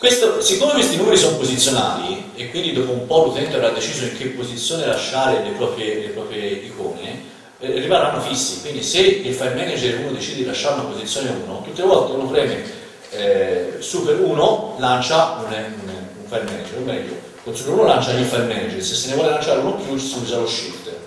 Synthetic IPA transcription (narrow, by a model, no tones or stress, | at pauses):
kwest̪osekːomekwest̪inuːmeɾisompozit̪sːjona̰ːli | ekːwind̪id̪oːpoumpɔlut̪ɛnt̪oavɾad̪ːet͡ʃiːzoiŋk̟epːozit̪sːjoːnelaʃːaːɾelepɾɔːpɾjelepɾɔːpɾjeikɔ̰ːnḛ | rːimananːofisːikwind̪iseilfajmɛnad͡ʒeɾuːnod̪et͡ʃid̪edilaʃːaɾunapozit̪sːjoːneṵːnot̪ut̪ːelevɔlt̪euːnopɾɛːme | suːpeɾuːnolant͡ʃaununuɱfajmɛnad͡ʒeɾomːɛ̰ʎːo̰ | kosupeɾuːnolant͡ʃaɲifajɾmɛnad͡ʒeɾsesːenːevwɔːlelant͡ʃaːɾeunopjut͡ʃi̥sund͡ʒaɾloʃːilt̪